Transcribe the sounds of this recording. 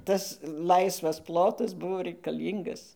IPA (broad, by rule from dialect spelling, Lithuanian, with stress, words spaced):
ˈtɐs ˈlˠɐɪsʋɐs ˈplˠoːtɐs ˈbʊʋoː rʲɛɪkɐˈlʲiːŋɡɐs